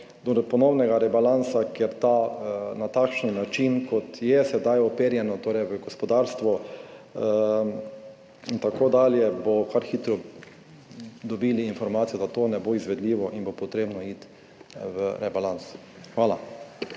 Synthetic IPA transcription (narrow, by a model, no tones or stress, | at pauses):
d̪oɾɔt̪̚pɔnɔwnɛɡaɾɛbalansakɛɾt̪anat̪akʃninat͡ʃinkɔt̪jɛsɛd̪ajɔpeːɾjɛnɔt̪oːɾɛjʋəɡɔspɔd̪aɾst̪ʋɔ | int̪akoːd̪aːljɛbokaɾxiːt̪ɾɔ | d̪ɔbiːliːnfɔɾmaːt̪sijɔd̪at̪oːnɛboizʋɛd̪liːʋɔʔinbopɔt̪ɾeːbnɔit̪ | ʋəɾɛbalans | xʋaːla